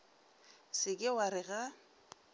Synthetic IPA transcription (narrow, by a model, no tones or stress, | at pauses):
sɪkʼɪwaɾɪɣa